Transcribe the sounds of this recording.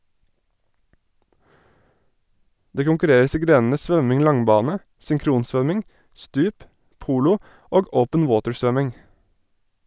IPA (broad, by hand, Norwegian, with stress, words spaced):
ˈdeː kʊŋkʉˈɾeːɾəs ˈiː ˈɡɾeːn̩ə ˈsʋœmɪŋ ˈlɑŋˌbɑːnə sʏŋˈkɾuːnˌsʋœmɪŋ ˈstʉːp ˈpuːlʊ ˈoːɡ ˈʔəʊpən ˈwoːtəɹˌsʋœmɪŋ